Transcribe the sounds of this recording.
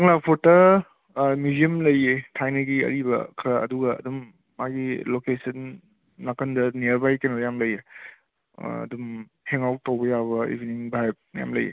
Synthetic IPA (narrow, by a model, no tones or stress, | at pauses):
ɐŋlapʰoɾtɐ | midiɐmlɐjetʰajnɐɡiɐ̰ɾibɐ̰kʰɾɐɐ̰duɡɐ̰ːdumː | aɡilokesɐnː | akʰɐndɐniɐɾbajkenojamlɐje | ɐ̰dum | heŋawk̚tawbɐjaβɐḭbʱiniŋbajp̚nja̰mlɐ̰jḛ